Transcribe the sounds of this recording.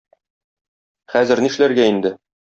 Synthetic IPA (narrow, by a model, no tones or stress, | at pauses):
χæzɘ̆ɾniʃlæɾɡæind̪ɘ